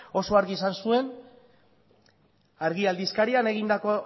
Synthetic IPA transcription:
o̞so̞aɾɣiesansue̞n | aɾɣiald̪iskaɾiane̞ɣind̪ako̞

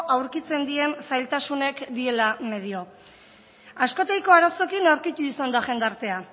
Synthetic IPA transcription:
ʔawɾkit͡se̞nd̪ie̞nsajlt̪asune̞kd̪ie̞lame̞ð̞io̞ | asko̞t̪ejko̞aɾaso̞kinawɾkit̪uisand̪aʝend̪aɾt̪e̞a

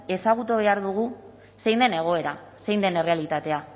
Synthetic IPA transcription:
e̞saɣ̞ut̪oβ̞e̞aɾðuɣ̞u | se̞jnd̪e̞ne̞ɣ̞o̞e̞ɾa | se̞jnd̪ene̞re̞alit̪at̪e̞a

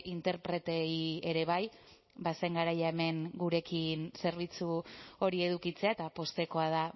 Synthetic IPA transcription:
int̪e̞ɾpɾe̞t̪eie̞ɾe̞β̞aj | baseŋɡaɾajaeme̞ŋɡuɾe̞kinse̞ɾβ̞it͡suo̞ɾie̞ðukit͡se̞aet̪apo̞st̪e̞ko̞að̞a

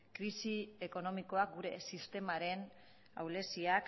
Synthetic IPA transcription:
kɾisieko̞no̞miko̞ak̚ɡuɾe̞̰sist̪e̞maɾe̞n | a̰wle̞siak

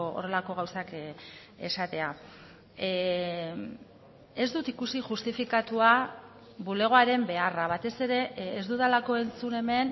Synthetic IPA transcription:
o̰re̞lako̞ɣ̞awsak | e̞sat̪e̞a | e̞zd̪ut̪ikusiʝust̪ifikat̪ua | βule̞ɣ̞o̞aɾe̞mbe̞araβ̞at̪e̞se̞ɾe̞ːzd̪uðalako̞e̞nt͡sune̞me̞n

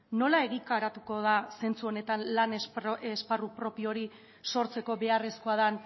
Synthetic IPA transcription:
no̞lae̞ɣikaɾat̪uko̞ðase̞nt͡suo̞ne̞t̪anlanesparupɾo̞pio̞ɾi | so̞ɾt͡se̞ko̞βe̞are̞skoaðan

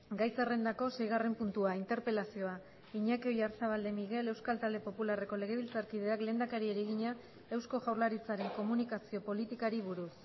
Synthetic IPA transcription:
ɡajt͡sere̞nd̪ako̞se̞jɣ̞are̞mpunt̪uaint̪e̞ɾpe̞lasio̞a | iɲakeojaɾsaβald̪e̞miɣ̞e̞le̞wskalt̪ald̪e̞po̞pulare̞ko̞le̞ɣ̞e̞β̞ilt͡saɾkiðe̞akle̞ːnd̪akaɾieɾeɣ̞iɲa | e̞wsko̞ʝawɾlaɾit͡saɾe̞ŋko̞munikasio̞po̞lit̪ikaɾiβuɾus

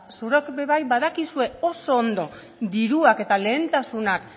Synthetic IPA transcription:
suɾokbe̞βajβaðakisue̞o̞so̞ːnd̪o̞ | d̪iɾuake̞t̪ale̞ːnt̪asunak

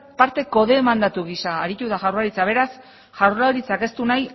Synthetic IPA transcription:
paɾt̪e̞ko̞ðe̞ːmand̪at̪uɣisaːɾit̪uðaʝawrlaɾit͡saβ̞e̞ɾas | ʝawɾlaɾit͡sake̞st̪unaj

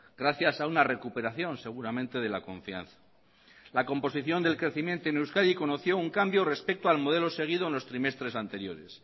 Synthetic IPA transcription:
ɡɾaθjasaunare̞kupe̞ɾaθjo̞nse̞ɣ̞uɾamẽnt̪e̞ðe̞lako̞ɱfia̰nθḁ | lako̞mpo̞siθjo̞nd̪e̞lkɾe̞θimje̞nt̪oenewskaðiko̞no̞θjo̞uŋkambjore̞spek̚t̪oalmo̞ð̞e̞lo̞se̞ɣ̞iðoenlo̞st̪ɾime̞st̪ɾe̞sant̪e̞ɾjo̞̰ɾe̞s

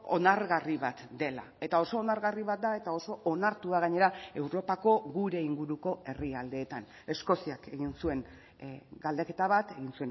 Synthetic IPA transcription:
o̞̰naɾɣariβat̪d̪e̞la̰ | e̞t̪ao̞so̞ːnaɾɣariβat̪̚d̪ae̞t̪ao̞so̞ːnaɾt̪uaɣ̞aɲe̞ɾae̞wɾo̞pako̞ɣuɾe̞iŋɡuɾuko̞e̞riald̪e̞ːt̪an | e̞sko̞siake̞ɣinsue̞ŋ | ɡald̪eke̞t̪aβ̞at̪e̞ɣinsuen

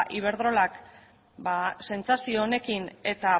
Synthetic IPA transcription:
ʔiβ̞e̞ɾðɾo̞lak | base̞nt͡sasio̞ːne̞kine̞t̪a

